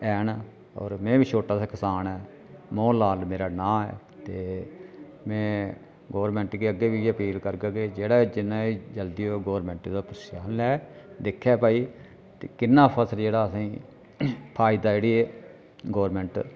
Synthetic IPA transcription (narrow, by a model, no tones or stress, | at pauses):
ɛːn | ɔ̰ːɾmɛ̃ːbiːt͡ʃʰoːʈaːsaːkɪsaːnɛː | mõːlaːlmeːɾaːnãːɛ̰ː | t̪eː | mɛ̃ː | ɡoːɾmɛ̃ːɳʈɡiːəɡːeːbiːəpiːlkəɾɡaːɡeːd͡ʒeːɽaːd͡ʒɪnãːiːd͡ʒəld̪iːoɡoːɾmɛ̃ːɳʈiːd̪aːpəɾʃaːnlɛː | d̪ekʰːɛːpaːiː | t̪eːkɪnːãːpʰəsɾd͡ʒeːɽaːəsĩː | pʰaːɪd̪aːd͡ʒeːɽiːeː | ɡoːɾmɛ̃ːɳʈ